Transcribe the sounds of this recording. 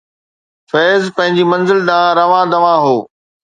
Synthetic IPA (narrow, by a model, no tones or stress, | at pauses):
fɛːzpɐ̃ɦɪ̃ɲd͡ʑimɐ̃nzɪld̪ãːɾɐʋãːd̪ɐʋãːɦoː